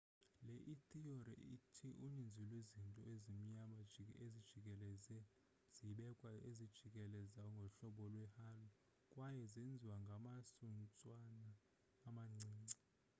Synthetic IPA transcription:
lɛʔitʼiɔɾɛ̰itʰiʔunind͡zʱulwizintʼɔezim̩ɲamaezid̥ʒ̥ʱikʼɛlɛzɛ | z̥iɓɛkʼwaezid̥ʒ̥ʱikʼɛlɛzawɔŋɡʱɔɬɔɓɔlwɛhalɔ | kʼwajɛzend͡zʱiwaŋɡʱamasunt͡sʼwanaː | maŋ͡ǀiːŋ͡ǀi

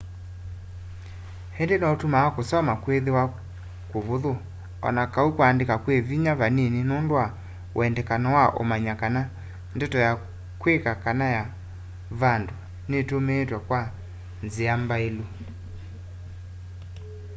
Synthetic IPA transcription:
hɛndenaotumawakosɔmakweðewa | koβoðo | ɔ̰nakaukoandekakweviɲaβanenenondwa | w̰ɛndɛkanɔwaʔo̰maɲakana | ndɛtɔja | kwekakanaja | βando | netomeːtwakwa | nzeambaelo

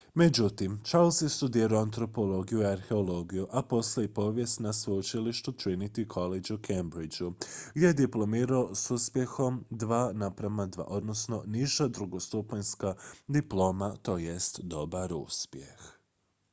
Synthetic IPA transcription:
me̞d͡ʒut̪imt͡ʃalˠsest̪ud̪iːɾoant̪ɾo̞po̞lˠo̞ɡijuiaɾxe̞olˠo̞ɡijuʔapo̞slaipo̞ːʋje̞st̪nasʋojut͡ʃiliʃt̪ut̪ɾinit̪ikʰo̞led͡ʒukʰembɾid͡ʒuɡd̪ʲjejed̪iplˠo̞miːɾaosuspje̞xo̞md̪ʋaːnapɾamad̪ʋa̰ʔo̞d̪no̞sno̞niʒad̪ɾuɡo̞st̪upanskad̪iplˠo̞ːmat̪o̞ːje̞st̪d̪o̞baɾṵspjex

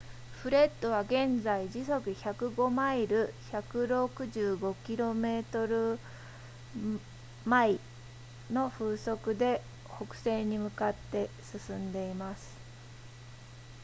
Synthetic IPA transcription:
ɸɯ̟ɾe̞t̪ːo̞β̞aɡẽ̞nd͡zaid͡ʑiso̞kɯ̟çakɯ̟ɡo̞maiɾɯ̟çakɯ̟ɾo̞kɯ̟ʑɨːɡo̞kʲiɾo̞me̞ːt̪o̞ɾɯ̟ | mai | no̞ɸɯːso̞kɯ̟d̪e̞ | ho̞kɯ̟̥se̞ːɲ̟imɯ̟kat̪ːe̞ | sɨsɨ̃nd̪e̞imasɨ̥

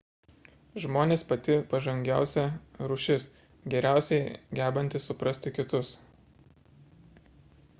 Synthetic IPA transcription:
ʒmoːnʲeːspɐt̪ʲɪpɐʒɐŋʲɡʲæˑʊsʲɛɾʊʃʲɪs | ɡʲɛɾʲæˑʊsʲɛɪɡʲæːbɐnʲt̪ʲɪsːʊpɾɐsʲt̪ʲɪkʲɪt̪ʊs

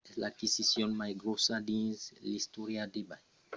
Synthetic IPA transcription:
eslakisisjonmajɡɾosad̪ĩnzlist̪oɾjad̪ebaj

